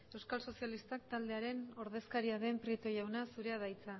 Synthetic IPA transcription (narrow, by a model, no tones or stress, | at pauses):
e̞wskalso̞sialist̪ak̚t̪ald̪e̞aɾe̞no̞ɾð̞e̞skaɾiaðe̞mpɾiet̪o̞jawnasuɾe̞að̞ajt͡sa